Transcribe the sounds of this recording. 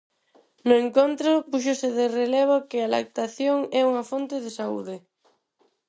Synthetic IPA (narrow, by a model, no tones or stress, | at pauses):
nʊeŋkont̪ɾʊpuʃ̬osɪðerelɛβ̞okɪala̰k̚t̪aθjoŋɛuŋɐfont̪ɪðɪsaṵðɪ